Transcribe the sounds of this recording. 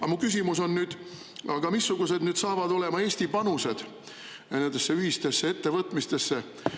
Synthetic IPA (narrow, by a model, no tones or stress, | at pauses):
ɑmukysʲimuso̞nːyːd̪̥ | ɑɡ̥ɑmisːuɡ̥use̞d̪nyːd̪sɑːvɑd̪o̞le̞mɑe̞ːst̪ipɑnuse̞d̪̥ | ne̞nd̪esːe̞yɦist̪e̞sːe̞e̞t̪ːe̞vɤt̪ˑmist̪e̞sːe̞